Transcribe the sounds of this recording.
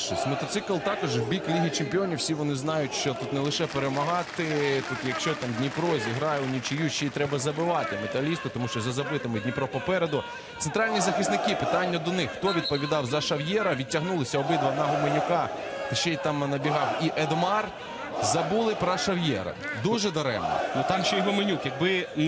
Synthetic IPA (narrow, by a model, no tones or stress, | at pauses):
ʃɪsʲtʲmɔt̪ɔt̪sɪklˠt̪ɑkɔʒwbʲiklʲiɦʲit͡ʃɪmpʲɪɔnʲiwsʲiʋɔnɪznɑjʊtʲʃt͡ʃɔt̪ut̪nɛlˠɪʃɛpeɾemɐɦɑt̪ɪt̪ut̪jɐkʃt͡ʃɔt̪ɑmd̪ʲnʲipɾɔzʲiɦɾɑjɛʊnʲit͡ʃɪjuʃt͡ʃɛit̪ɾɛbɐzɐbɪʋɑt̪ɪmet̪ɐlʲist̪ʊt̪ɔmuʃt͡ʃɔzɐzɐbɪt̪ɪmɪdʲnʲipɾɔpɔpɛɾed̪ʊ | t̪sent̪ɾɑlʲnʲizɐxɪsnɪkɪpɪt̪ɑnʲːɐd̪ɔnɪxxt̪ɔʋʲid̪̚pɔʋʲid̪ɑwzɐʃɐwjɛɾɐʋʲitʲɐɦnulˠɪsʲɐɔbɪd̪ʋɐnɐɦɔmenʲʊkɑ | t̪ɪʃt͡ʃɛt̪ɑmnɐbʲiɦɑwiʔɛd̪mɑr | zɐbulˠɪpɾɐʃɐwjɛɾɐ̰d̪uʒɛd̪ɐɾɛ̰mɔ̰nʊt̪ɑmʃt͡ʃɛjɦɔmenʲukjɐɡ̚bɪ